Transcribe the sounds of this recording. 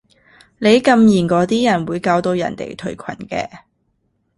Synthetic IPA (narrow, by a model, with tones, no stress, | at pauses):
ne˨˧jkɐ˧mjiː˨˩nkɔː˨˧t̪iː˥jɐ˨˩nwuː˨˧jkaː˧wt̪o˧wjɐ̰˨˩nt̪ḛ˨jt̪ʰɵ˨˩ɥkʷʰɐ̰˨˩nkɛ̰ː˧